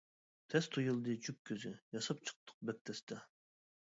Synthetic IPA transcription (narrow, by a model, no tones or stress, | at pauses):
t̪ʰɛst̪ʰujulˠd̪ɨt͡ʃʰyk̚ʲkʲʰːøzɪjɑsɑp̚t͡ʃʰɨ̥q̚t̪ʰə̥q̚bɛk̚t̪ʰɛst̪ʰɛ